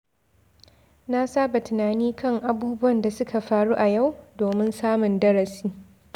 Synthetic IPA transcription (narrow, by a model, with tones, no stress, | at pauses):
na˦saː˦ba˨tʊ˨naː˨niː˦kɐ˦ŋʔa˨buː˦bʊ˦wɐ˨nda˨sʊ˦kʰa˨ɸaː˦ɽu˦ʔa˨ja˦˨wdoː˨mɪ˦nsaː˦mʊ˨ndɐ˦ɾɐ˨siː˦